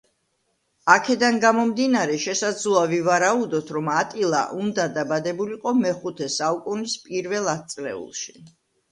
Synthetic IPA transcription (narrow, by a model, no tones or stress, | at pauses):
akʰɛd̪anɡamɔmd̪inaɾɛʃɛsad̪zluavivaɾaud̪ɔt̪ʰɾɔmat̪ʼilˠa̰ʔund̪ad̪abad̪ɛbuliqʼɔmɛχut̪ʰɛsaukʼunispʼiɾvɛlˠat̪̚t̪sʼlɛ̰ṵlˠʃi̥